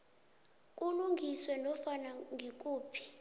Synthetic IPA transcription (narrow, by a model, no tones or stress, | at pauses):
k̬ʼuluŋɡʱiswɛnɔfanaŋɡʱik̬ʼuːpʰi̥